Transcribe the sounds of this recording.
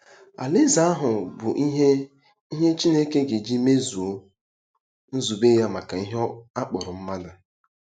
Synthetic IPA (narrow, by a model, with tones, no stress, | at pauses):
a̰˨lɪ˦za˦a˦ɦʊ˨bʊ˨ʔ | i˦ɦe˦t͡ʃi˦ne˦ke˦ɡe˨d͡ʒi˦me˦zu˨o˦ | n̩˦zu˨be˦ja˦ma˨ka˨i˦ɦa˦k͡pɔ˨ɾʊ˨m̩˦ma˦da˨